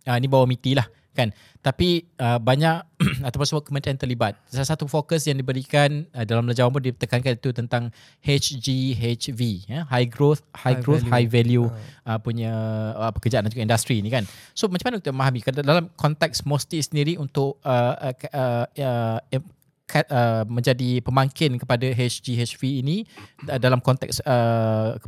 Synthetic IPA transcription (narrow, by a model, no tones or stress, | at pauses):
əinibawamit̪ilah | kan | t̪apiəbaɲakat̪ap̬ʊnsəmuakəmə̃nt̪ɾiant̪ərlibat̪̚salasat̪ufokəsjaŋdibəɾikanədalamplad͡ʒawãmp̬ʊndit̪əkankanit̪ut̪ənt̪aŋ | het͡ʃd͡ʒiɦet͡ʃviəɦajɡɾot̪̚hajɡɡɾot̪hajvɛljuəpuɲəəpəkərd͡ʒaʔandãd͡ʒuɡaindast̪ɾiːnĩkansomat͡ʃamanəkit̪məmaɦamikadalamkɔnt̪ɛksmost̪isəndiɾiunt̪ʊʔəəə | kʰaʔəmə̃ɲd͡ʒadipəmaŋkɪnkəpadaɦet͡ʃd͡ʒiɦet͡ʃviːniədalamkɔnt̪ɛ̰ksə